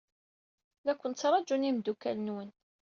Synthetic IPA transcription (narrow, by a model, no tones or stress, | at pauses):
ðækʷːənt̪t͡sːɾˤɑd͡ʒunimd̪ukːælənwən